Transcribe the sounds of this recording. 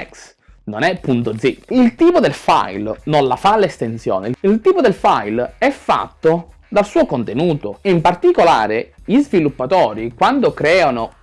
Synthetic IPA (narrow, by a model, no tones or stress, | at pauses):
ɛks | nonɛpːunt̪od̪ziilt̪iːpod̪elfa̰jlnonlafalest̪ensjɔ̰ːnḛilt̪iːpod̪elfajlɛfːa̰t̪ːo | d̪alsuːokont̪enuːt̪oimpart̪ikola̰ːɾeʎizvilupːat̪ɔːɾikwand̪okɾɛːano